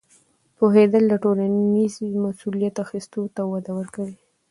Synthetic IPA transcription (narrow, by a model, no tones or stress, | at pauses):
poɦed̪əlːaʈolanizmasulijat̪axist̪ot̪awad̪awəɾkawi